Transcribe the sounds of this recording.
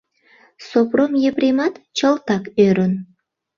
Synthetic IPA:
sopromjeprʲemɑt̪t͡ɕəlt̪ɑkøɾun

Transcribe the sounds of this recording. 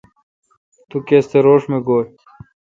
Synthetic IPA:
t̪ukeːst̪eɾoːʂmeɡoːl

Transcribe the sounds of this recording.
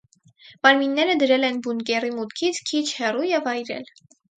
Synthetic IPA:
mɑɾminːɛɾəd̪əɾɛlɛnbunkɛrimut̪kʰit͡sʰkʰit͡ʃʰhɛrujɛvɑjɾɛ̰l

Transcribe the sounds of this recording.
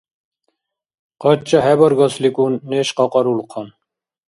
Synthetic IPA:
qɔt͡ʃːɔɦɛbɔɾɡɔslikʼunːeʃqɔqɔɾulqʰɔn

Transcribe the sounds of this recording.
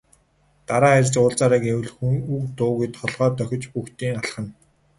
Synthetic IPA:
t̪aɾaːærʲt͡sʊːɮt͡saɾaːkewɘ̆ɮxuŋukt̪ʊːɣejt̪χɔɮʁœːt̪œxʲɪ̆t͡ɕpuxt̪iːŋaɮχə̆n

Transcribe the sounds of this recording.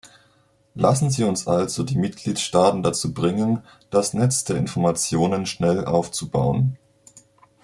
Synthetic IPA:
lʔa̰sn̩ziːʊnsʔalzodiːmɪt̚ɡ̥liːtʃtaːtn̩dat͡suːbʁɪŋən | d̥asnɛt͡sd̥eːɐɪnfɔɐmat͡sjoːnənʃnɛlʔa̰ʊft͡suba̰ʊən

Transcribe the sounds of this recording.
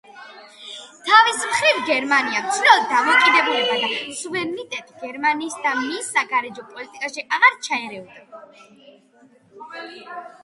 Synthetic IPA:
t̪ʰavismχɾivɡɛɾmaniamt̪sʰilɛlɔd̪̚ːamɔkʼid̪ɛbulɛbad̪asuvɛɾnit̪ʼɛt̪ʼɡ̥ɛɾmaniːsd̪amisːaɡaɾɛd͡ʒɔpʼɔlit̪ʼikʼaʃiʔaʁaɾt͡ʃʰaɛɾɛɔd̪a

